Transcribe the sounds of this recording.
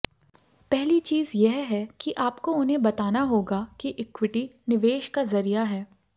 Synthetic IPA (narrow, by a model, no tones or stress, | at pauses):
pɛɦlit͡ʃiːzjɛɦɦɛkiʔaːpkoʊnɦẽbɐt̪aːnaɦoːɡakiʔɪkwɪʈinɪʋeːʃkazɐɾijaɦɛː